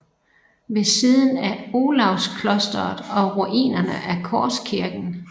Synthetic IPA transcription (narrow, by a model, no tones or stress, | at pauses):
ʋe̝siːðˠn̩æo̝lɑ̈ʊskʰlɔsd̥ɐð̩ˠɒ̽ʁuʔḭːnɐnəʔæɐkʰɒːskʰiɐɡ̥n̩